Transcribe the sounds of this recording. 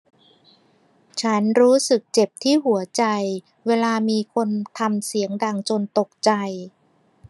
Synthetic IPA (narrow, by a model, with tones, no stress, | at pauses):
t͡ɕʰa˦˥nɾuː˦˥sɯ˨˩k̚t͡ɕe˨˩p̚t̪ʰiː˥˩ɦu˩˦ɐt͡ɕa˧j | weː˧laː˧miː˧kʰo˧nt̪ʰa˧msi˩˦əŋda˨˩ŋt͡ɕo˧nt̪o˨˩k̚t͡ɕa˧j